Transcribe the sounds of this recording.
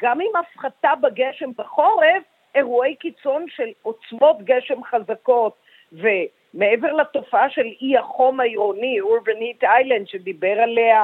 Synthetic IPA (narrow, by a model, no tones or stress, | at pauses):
ɡ̥amimafχat̪abaɡeʃe̞mbaχo̞ʁe̞v | e̞ʁue̞jkit͡so̞nʃe̞lot͡smo̞t̪ɡeʃe̞mχazako̞t̪̚ | ve̞ | me̞eveʁlato̞faaʃe̞liaχo̞maiʁoniuɾbenit̪ajlandʃed̪ibe̞ʁale̞a